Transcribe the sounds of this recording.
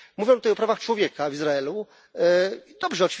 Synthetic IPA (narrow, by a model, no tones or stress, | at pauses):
muvʲjɔ̃t̪ut̪ajɔpɾavaxt͡ʂwɔvʲjɛkavizɾaɛlu | id̪̥ɔbʐɛɔtfʲ